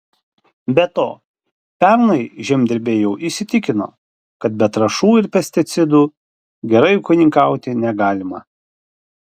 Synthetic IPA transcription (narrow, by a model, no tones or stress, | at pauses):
bʲɛt̪oː | pʲɛɾnɐɪʒʲɛmʲd̪ʲɪɾʲbʲeːjɛʊʔisʲɪt̪ʲɪkʲɪno̰ː | kɐt̪̚bʲɛt̪ɾɐʃuːɪɾpʲɛsʲt̪ʲɪt̪sʲɪd̪uː | ɡʲɛɾɐɪʊkʊnʲɪŋkɑˑʊt̪ʲɪnʲɛɡɑːlʲɪmɐ